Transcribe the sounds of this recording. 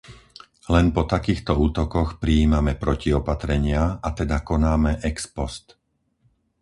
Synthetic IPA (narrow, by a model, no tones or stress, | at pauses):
lɛnpɔt̪akiːxt̪ɔuːt̪ɔkɔxpɾiːmamɛpɾɔciɔpat̪ɾɛɲɪaat̪ɛd̪akɔnaːmɛʔɛkspɔst̪